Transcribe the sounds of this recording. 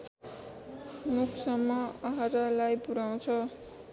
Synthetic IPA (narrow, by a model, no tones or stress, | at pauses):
nuksʌmːʌaɦaɾalajpuɾaw̃t͡sʰʌ